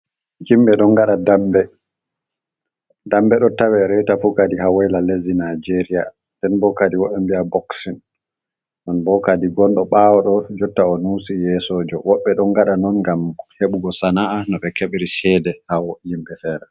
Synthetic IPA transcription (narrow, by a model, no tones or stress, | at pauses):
jimɓɛɗɔnɡaɗadambɛ | dambɛɗɔtawɛɾɛtafukadiɦawɛjlalezinad͡ʒeɾija | ndɛnbɔkadiwɔɓɛmbijabɔksin | nɔnbɔkadiɡɔnɗɔɓawɔɗɔd͡ʒɔtːaɔnusijɛsɔd͡ʒɔwɔɓːɛɗɔŋɡaɗanɔnɡamheɓuɡɔsanaanɔɓɛkɛɓɾiʃɛdɛhawɔjimbɛfɛːɾɛ